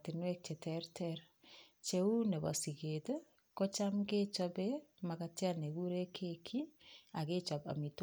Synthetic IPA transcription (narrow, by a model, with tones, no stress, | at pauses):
tɪ˨nwe˦k̚t͡ʃe˨tɛɾtʰɛɾ | t͡ʃe˦u˦ne˨βa̰˨si˨ke˨t | kɔ˦t͡ʃa˦mɡe˦t͡ʃɔ˦bemakatja˦ne˨ɡu˦ɾe˦kʰe˦kʰi˦a˨ɣe˦t͡ʃa˨ba̰˨mi˨t